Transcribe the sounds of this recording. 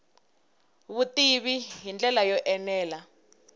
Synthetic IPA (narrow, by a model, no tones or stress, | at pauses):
βutiβiɦind͡ɮɛlajɔʔɛnɛːla